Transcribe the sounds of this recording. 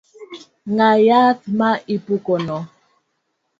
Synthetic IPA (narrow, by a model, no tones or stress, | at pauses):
ŋajatmaipukɔnɔ